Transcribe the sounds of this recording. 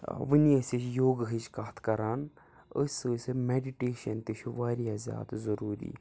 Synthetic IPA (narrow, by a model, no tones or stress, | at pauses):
ʋɨniəsit͡ʃʰjoːɡɦɨt͡ʃkaːt̪ʰkɐɾaːn | əsɨsɨmeɖiʈeːʃɐnt̪it͡ʃʰuʋaːɾjaːzʲja̰ːd̪zɐɾuːɾḭː